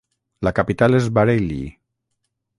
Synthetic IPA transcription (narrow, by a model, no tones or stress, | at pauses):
lakapit̪alezβaɾelḭ